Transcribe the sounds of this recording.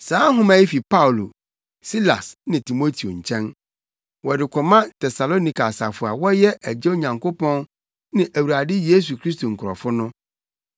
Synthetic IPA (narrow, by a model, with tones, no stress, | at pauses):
sãː˨˦ɦʊ̃˦mã˨˦i˦fi˨pa˦wlo˨ | si˦la̰˨snɪ̃˨tʰi˨mo˦tʰi˨o̰˨ɲ̩˨t͡ɕʰɛ̃˦n | wɔ˨dɪ˨kʷʰɔ˨mã˦tʰɛ˨sa˨lo˦nĩ˨ka˨sa˨fʊ˨a̰˨wɔ˦jɛ˦ʔæ˨d͡ʑɛ˦o˦ɲã˨ŋkʰo˦pɔ̃˦n | nɪ̃˨ʔæ˨wu˨ɾa˨dɪ˦je˦s̬u˨kʰɾi˦sto˨ŋ̩˨kʰʊ˨ɾɔ̰˨fʊ˦nʊ̃˦